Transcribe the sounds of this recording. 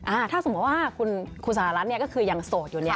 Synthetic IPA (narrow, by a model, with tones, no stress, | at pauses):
ʔaː˧t̪ʰaː˥˩so˩˦ma˧˦˥waː˥˩kʰu˧nkʰu˧nsa˧˩˧ɾa˦˥t̪̚ni˥˩kɔː˥˩kʰɯː˧ja˧ŋsoː˨˩t̪̚juː˨˩ni˦˥ɐ